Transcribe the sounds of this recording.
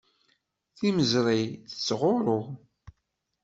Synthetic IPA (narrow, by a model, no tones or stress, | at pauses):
θiməzɾˤijθət͡sːʁʊɾˤʊ